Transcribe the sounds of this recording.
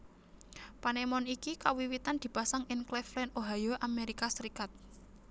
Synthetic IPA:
panemɔnikikawiwit̪and̪̥i̤pasaŋɪnklɛflɛnoɦajoʔameɾikasəɾikat̪̚

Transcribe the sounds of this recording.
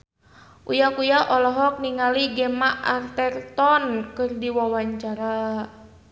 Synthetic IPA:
ʔujakujaʔɔlɔɦɔk̚niŋaliɡɛmaʔart̪ɛrt̪ɔnkɨrdiwawaɲt͡ʃaɾa

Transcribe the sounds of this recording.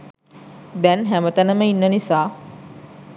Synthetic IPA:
d̪ɛnɦæmət̪anəməinːənisaː

